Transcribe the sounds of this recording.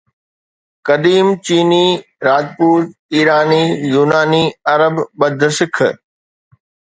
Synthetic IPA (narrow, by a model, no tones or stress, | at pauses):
kɐɗiːmt͡ɕiːniː | ɾaːd͡ʑpuːɾiːɾaːniːjuːnaːniːɐɾəbɓɐd̪ʱsɪkʰ